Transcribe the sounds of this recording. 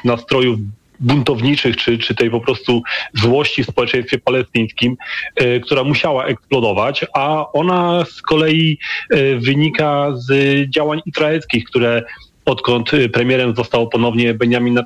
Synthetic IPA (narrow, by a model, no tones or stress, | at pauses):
nast̪ɾɔjuv | bunt̪ɔvɲit͡ʂɘxt͡ʂɘt͡ʂɘt̪ɛjpɔpɾɔst̪uzwɔɕt͡ɕifspɔwɛt͡ʂɛ̃j̃st̪fʲjɛpalɛst̪ɨj̃skʲimkt̪uɾamuɕawaʔɛksplɔd̪ɔvat͡ɕaɔnaskɔlɛji | vɘɲikazd͡ʑawaɲizɾaɛlskʲixkt̪uɾɛ | ɔt̪kɔnt̪pɾɛmʲjɛɾɛmzɔst̪awɔpɔnɔvɲɛbɛɲjamʲina